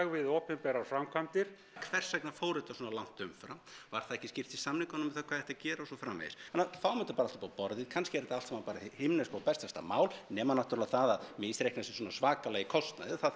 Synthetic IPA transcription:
ɣvɪðoːpɛmpɛɾafɾamkʰant̪ɪɾ̥ | kʰvɛr̥sajknafoːwɾɪt̪aswɔːnalan̥t̪ʏmfɾamvaɾ̥θaðɛhcɪscɪr̥t̪isamnɪŋkanʏmɛɪθakʰvaːðɛht̪acɛːɾaɔsɔfɾaːmːḛðɪ̰sanːaθawmœt̪apaːɾalt̪pawpɔɾðɪkʰanscɪɛɾɛt̪aal̥sɛmapaːɾahɪmnespawpɛst̪ast̪a̰maːwlnɛːmanaht̪ʏɾlaθaðaðmɪsɾejhknasɪ̥swɔːnasvaːkalɛːjɣɪkʰɔwst̪na̰jðɪθað

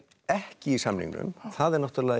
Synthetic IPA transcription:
ɛhcɪisamnḭŋknʏ̰mθaðɛɾnɔht̪ʏɾlɛ

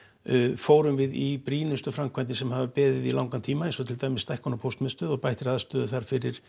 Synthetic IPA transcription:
foːwɾʏmvɪðipɾiːnʏst̪ʏfɾamkʰvajnt̪̬ɪsɛmhavapɛːðɪðilawŋkant̪ʰiːmaẽnsɔt̪ʰɪlt̪aːjmɪsːt̪ajhkɔnapʰowst̪mɛnst̪œːðɔɣpajht̪ɪɾaðast̪œːðʏθaɾ̥fɪɾɪɾ̥

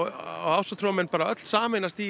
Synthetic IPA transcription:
a̰aːwsat̪ʰɾɔmɛnpaːɾaœt̪l̥saːmenast̪iː

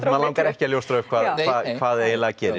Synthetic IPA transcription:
maðlawŋkaɾɛhcɪaljowst̪ɾaʏkʰvaːðvaːðkʰvaːðeːjnlɛɣcɛːɾɪ

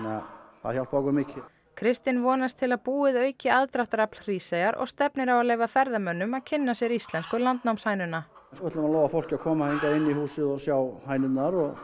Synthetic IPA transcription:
nɛa̰θaðhçalt̪paːwkʏmɪːcʰɪ | kʰɾɪst̪ɪnvɔːnast̪ʰɪlaðpuːɪðœːɥcɪaðt̪ɾaht̪ɾaplr̥iːsejaɾɔ̰ɣst̪ɛpnɪɾawaðleːjvafɛɾðamœnːʏmaðcʰɪnːasjɛɾist̪lɛnskʏlant̪nawmsaːjnʏnːansɔɛht̪lamalɔːwɣafowl̥cɪakʰɔːmaheŋkaɪnːihuːsɪðɔsjawhaːjnɪt̪naɾɔɣ

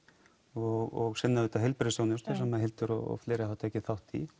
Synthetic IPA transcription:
ɔɣɔɣsɛnːavɪːt̪aɦejlpɾeɪsownʏst̪ɛsɛmːaðɦɪlt̪ʏɾɔɔ̰fleːɾɪhawt̪ʰɛːhcːɪθawht̪i

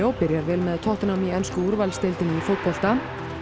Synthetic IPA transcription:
owpɪɾjaɾvɪlmɛðt̪ʰɔht̪ɪnamiɛnskʏuɾvalst̪ɪjlt̪ɪnifowt̪̚pɔl̥t̪a

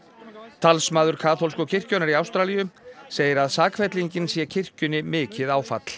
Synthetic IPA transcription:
t̪ʰalsmaːðʏɾ̥kʰaːθols̬kʏcʰɪr̥cɔwnaɾiaːwst̪ɾalijʏseːjɪɾaðsaːkʰvɛt̪liɲcɪnsjɛcʰɪr̥cʏnɪmɪːcɪðawfa̰t̪l̥

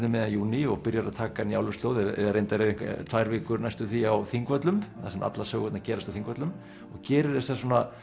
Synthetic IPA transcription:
nʏmɛːðanjuːniɔɣpɪɾjaɾaðt̪ʰaːkanja̰wlʏst̪loːwðɛɛ̰ðaɾejnt̪aɾɛeŋkt̪ʰvaːjɾvɪːkʏɾnajst̪ʏθiawθiŋkvœt̪lʏmθasɛma̰t̪lasœːwɣɛt̪nacɛːɾast̪awθiŋkvœt̪lʏm | ɔɣcɛːɾɪɾðɛsas̬oːna

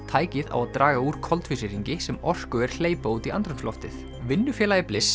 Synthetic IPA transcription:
t̪ʰaːjcɪða̰waðt̪ɾʔaːɣauɾ̥kʰɔlt̪fɪsɪɾiɲcɪsɛmɔr̥kʏɛɾ̥l̥eːjpowt̪iʔa̰nt̪ɾʏnsflɔft̪ɪθ | vɪnːʏfjɛːlajɪplɪs

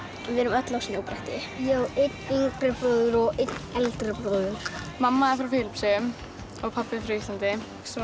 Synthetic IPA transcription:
vɪnʏmœt̪lɔwsnowpɾɛht̪ɪjowʔɪtnɪŋkɾɪpɾoðʏɾɔɣɪtnɛlt̪ɾɪpɾoðʏk | mamːafɾawfɪːlɪpsʏm | ɔɣpʰapːɪfɾejsant̪ɪ | s

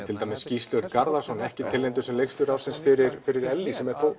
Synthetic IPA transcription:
t̪ʰɪlt̪ajmɪsːcist̪lœɾt̪kaɾðasɔnɛhcɪt̪ʰɪlːent̪ʏsɛmlejkst̪ʏɾaːwsɪnsfɪɾɪɾfɪɾɪɾɛlːisɛmɛɾ̥θoːw

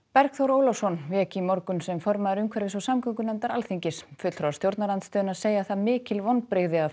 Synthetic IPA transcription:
pɛɾkθɔwɾoːwlɔwsɔnvɛːcɪimɔɾkʏnsɛmfɔɾmaðɪɾʏmkʰvɛɾvɪsɔsamkʰœŋkʏnɛmt̪aɾalθiɲcɪsfʏt̪lθɾɔwaɾst̪jowɾt̪naɾant̪st̪œːðʏnaðseːjaθaðmɪːcɪlvɔnpɾeːɣðɪa

